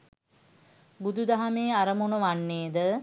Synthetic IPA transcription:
bud̪ud̪aɦameːaɾəmonoʋanːeːd̪ə

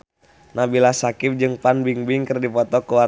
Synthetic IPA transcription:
nabilasakɪp̚d͡ʒɨŋpanbiŋbɪŋkɨrdipɔt̪ɔkuwa

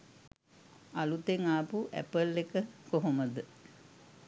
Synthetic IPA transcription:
alut̪eŋaːpuʔæ̰pəlːekəkoɦoməd̪ə

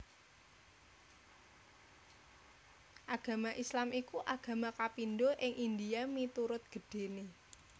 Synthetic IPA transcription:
ʔaɡ̥ä̤maʔislamikuʔaɡ̥a̤makapindoʔɪŋʔind̪ijamit̪uɾʊt̪̚ɡ̥ə̤ɖ̥e̤ne

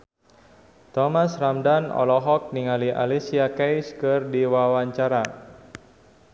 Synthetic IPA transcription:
t̪ɔmasramdanɔ̰lɔɦɔk̚niŋaliʔa̰lisiakɛjskɨrdiwawaɲt͡ʃaɾa

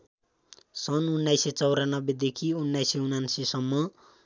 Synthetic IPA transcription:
sʌnunːajset͡sʌwɾanʌbed̪ekʰiunːajseunansisʌmːʌ

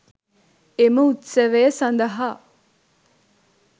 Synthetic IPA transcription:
eməut̪seʋejɐsɐnd̪ɐɦaː

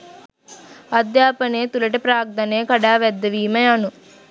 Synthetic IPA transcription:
ɐd̪jaːpɐneːt̪ulɐʈipɾaːɡ̚d̪ɐneːkɐɽaːʋɛd̪ːɐʋiːmɐjɐnu

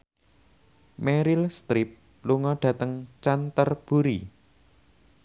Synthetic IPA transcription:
mɛɾilst̪ɾɪp̚ | luŋɔɖ̥ä̤t̪əŋt͡ʃant̪ərb̥ṳɾi

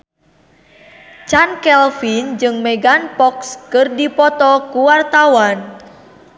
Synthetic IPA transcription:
t͡ʃankɛlfind͡ʒɨŋmɛɡanpɔkskɨrdipɔt̪ɔkuwart̪awan

